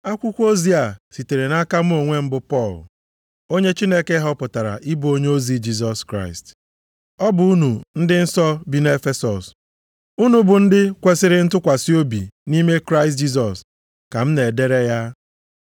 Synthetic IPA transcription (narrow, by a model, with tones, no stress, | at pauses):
a˦kʷʊ˦kʷo˦zi˦a˨si˨te˨ɾe˨na˦ka˦m̩˦o˨ŋʷe˦m̩˦bʊ˨pɔ˦˨l | o˦ɲe˦t͡ʃi˦ne˦ke˦ɦɔ˦pʊ˨ta˨ɾa̰˨ʔi˦bo˦ɲe˦o˦zi˦d͡ʒi˦s̬ɔ˨skɾa˦ɪ˨st | ɔ˦bʊ˨˦u˦nu˨n̩˦dɪ˦n̩˦sɔ˦bi˨ne˦fe˦sɔ˨s | u˦nu˦bʊ˨n̩˦dɪ˦kʷe˨sɪ˦ɾɪ˦n̩˦tʊ˦kʷa˨si˦o˦bḭ˨ni˦me˦kɾa˦ɪ˨s̬t̬̚d͡ʒi˦s̬ɔ˨s | ka˨m̩˦ne˨de˦ɾe˦ja˦